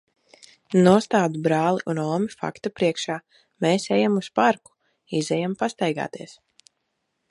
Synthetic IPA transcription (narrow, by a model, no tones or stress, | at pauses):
nuɔst̪aːd̪ubɾaːlˠiʔunɔːmifa̰kt̪apɾiɛkʃaː | meːsɛjamuspaɾku̥ | izɛjampast̪ɛjɡa̰ːt̪iɛs